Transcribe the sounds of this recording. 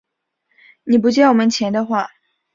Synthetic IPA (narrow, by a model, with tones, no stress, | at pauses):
ni˨˩p̬u˧˥t͡ɕjɛ˥˩wɔ˨˩mə˦nt͡ɕʰjɛ˧˥nd̪ə˧xwa˥˩